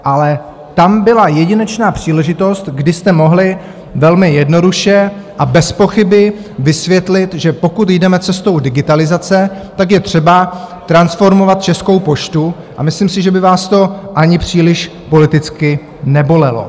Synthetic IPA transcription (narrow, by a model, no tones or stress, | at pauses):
ʔalɛ | t̪ambɪlajɛɟɪnɛt͡ʃnaːpr̝̥iːlɛʒɪt̪o̞st̪ɡdɪst̪ɛmo̞ɦlɪ | vɛlmɪjɛdno̞duʃɛʔabɛspo̞xɪbɪvɪsvjɛt̪lɪt̪ʒɛpo̞kut̪jdɛmɛt͡sɛst̪o̞wdɪɡɪt̪alɪzat͡sɛt̪ak̬jɛt̪r̝̥ɛbat̪ɾansfo̞ɾmo̞vat̪̚t͡ʃɛsko̞wpo̞ʃt̪u | ʔa̰mɪslimsɪʒɛbɪvaːst̪o̞ʔaɲɪpr̝̥iːlɪʃ | po̞lɪt̪ɪt͡skɪ | nɛbo̞lɛlo̞̰